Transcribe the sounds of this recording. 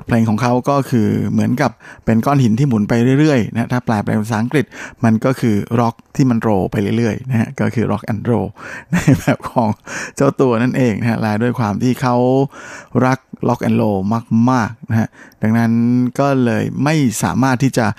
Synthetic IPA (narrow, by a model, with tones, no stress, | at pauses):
o˨˩t̪̚pʰleː˧ŋkʰɔː˩˦ŋkʰa˦˥wkɔː˥˩kʰɯː˧mɯ˩˦ənka˨˩p̚ːe˧nkɔː˥˩nhi˨˩˦nt̪ʰiː˥˩mu˩˦npa˧jɾɯ˥˩jɾɯ˥˩əjna˧ha˦˥t̪ʰaː˥˩plaː˧jpʰlɛ̰ː˧ŋa˧˩saː˨˦˥ʔa˦kɾi˨˩t̪̚ma˧nkɔː˥˩kʰɯː˧ɾɔ˦˥k̚t̪ʰiː˥˩ma˧nt̪ɾoː˧pa˧jɾɯ˥˩˨jɾɯ˥˩əjna˦˥ha̰˦˥ʔkɔː˥˩kʰɯː˧ɾʔɔ̰˦˥k̚ʔa˧nɾo̰ː˧na˧˩jbɛː˨˩p̚kʰɔː˩˦ŋt͡ɕa˥˩wt̪u˧ɐna˥˩nʔeː˧ŋna˦˥hʰa̰˦˥laː˧jdu˥˩əjkʰwaː˧mt̪ʰiː˥˩kʰa˦˥w | ɾa˦˥k̚lɔ˦˥k̚ʔa̰˧nɾoː˧maː˥˩k̚maː˥˩k̚na˦˥hʰa˦˥ʔda˨˩ŋna˦˥nkɔː˥˩lɤː˧jma˥˩jsa̰ː˩˦maː˥˩t̪ʰːiː˥˩t͡ɕa˨˩